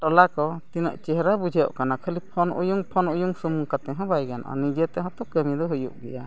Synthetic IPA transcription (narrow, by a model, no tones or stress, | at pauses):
ʈɔlakɔt̪inə̰ʔt͡ʃɛɦɾabud͡ʒʱɛjɔ̰ʔkanakʰəlipʰɔnujuŋpʰɔnujuŋsumuŋkat̪ɛɦɔ̃bajɡan̰ʔɔ̰nid͡ʒɛt̪ɛɦɔt̪ɔkəmid̪ɔɦujṵʔɡɛja